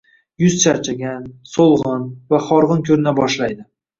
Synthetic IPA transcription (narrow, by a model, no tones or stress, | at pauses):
jʊzt͡ʃʰaɾt͡ʃʰaɡʲansolˠʁɨnvaχɒɾʁɨnkʲʰɵɾɪnabɒʃlajd̪ɪ